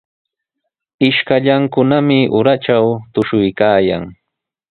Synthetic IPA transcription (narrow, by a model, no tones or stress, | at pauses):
ɪʃkaʎaŋkʊnamɪʔʊɾat͡ʃawt̪ʊʃʊjkaːja̰ŋ